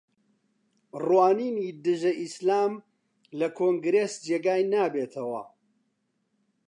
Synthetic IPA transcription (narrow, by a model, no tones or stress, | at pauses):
rwaːniːniːd̪ɨʒɐʔislaːm | lɐkʰoːŋɡɾeːsd͡ʒeːɡaːjnaːbeːt̪ʰɐwɐ̰